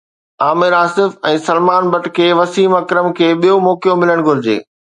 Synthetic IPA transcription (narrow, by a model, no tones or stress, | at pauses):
aːmɪɾaːsɪfɛ̃ːsɐlmaːnbɐʈkʰeːʋɐsiːmɐkɾəmkʰeːɓijomɔːkijomɪləɽ̃ɡʱʊɾɪd͡ʑḛː